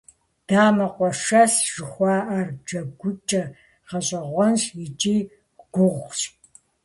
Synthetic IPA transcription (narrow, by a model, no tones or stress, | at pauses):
d̥aːmɐqʷʼɔʂɐsʒ̥ɨχʷɑːʔard͡ʒɐɡʷʊt͡ʃʼɐ | qɐɕʼɐʁʷɔnsjɪt͡ʃʼiː | ɡ̥ʷʊʁʷɕʼ